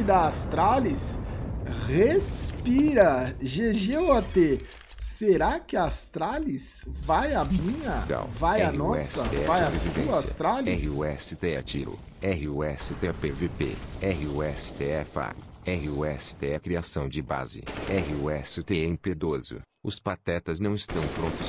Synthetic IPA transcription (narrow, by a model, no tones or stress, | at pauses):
d̪ɐast̪ɾalis | hespiɾɐʒeʒeat̪e | seɾakɪɐast̪ɾalisvajɐmĩɲɐɡa̰wvajanɔsɛsɐt̪ɛvajobɾevivẽasjsɐt̪ɾalɪɛhiuɛsɪt̪eɛ̰t͡ʃḭɾʊ̰ | ɛɦɪuɛsɪt̪epevepḛɛɦɪuɛsɪ̥t̪eɛfa̰ɛhɪuɛsɪ̥t̪eɛkɾiasɐ̃w̃d͡ʒɪba̰zɪ̰ɛhɪuɛsɪt̪eẽped̪ozʊ̰ | ʊspat̪ɛt̪ɐznɐ̃w̃ɪst̪ɐ̃w̃pɾõnt̪ʊs